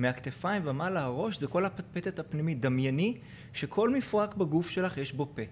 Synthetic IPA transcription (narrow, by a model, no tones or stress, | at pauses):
meakt̪efaimvamalaaʁo̞ʃzeko̞lhapat̪̚pet̪et̪hapnimit̚d̪amjani | ʃekʰo̞lmifʁakbaɡufʃe̞laχjeʃbo̞pe̞